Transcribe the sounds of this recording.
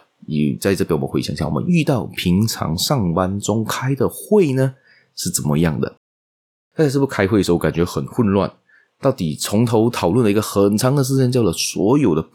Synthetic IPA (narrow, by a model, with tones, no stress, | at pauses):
ḭ˨˩t͡sa˥˧ɪʈ͡ʂɤ˥˩pj̰we˥˩˧ɕjŋɕjɑ̰˥˩˨wɔ̰˨˩ə̰˦ny˥˧t̪ɑ˥˩ʊpʰi˧˥ŋʈ͡ʂʰɑ̰˧˥ŋʂɑ˥˩ŋpa˥nʈ͡ʂʊ˥ŋkʰa˥ɪd̪ə˨xwe˥˩ɪnə˨ | ʂɻ̩˥˩t͡sə˨˩nmə̰˦jɑ˥˩ŋd̪ə̰˩ | t̪a˥˧˥ʂɻ̩˥˩pu˥˩kʰa˥ɪxwəʂ̩˧˥˧ka˨˩nt͡ɕɥɛ˧˥xə˨˩nxwə˥˧nlwa̰˥˩n | t̪ɑ˥˩ʊt̪i˨˩t͡sʰʊ˧˥ŋt̪ʰo˧˥ʊt̪ʰɑ˨˩ʊlwə˥˩nlə˩i˧˥ɡə˧xə˨˩nt͡sʰɑ˧˥ŋd̪ə˨ʂ̬ɻ̩ʰ˥ə˥nt͡ɕjɑ˥˩ʊlə˩swɔ̰˧˥jo˨˩ʊd̪ə˦